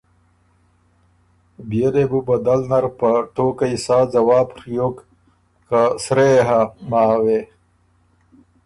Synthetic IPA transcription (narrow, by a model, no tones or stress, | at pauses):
bijeɾebubɐd̪ɐlnɐɾpɐʈoːkɐisaːd͡zɐwaːpɾjok | kasɾeɦamaːwe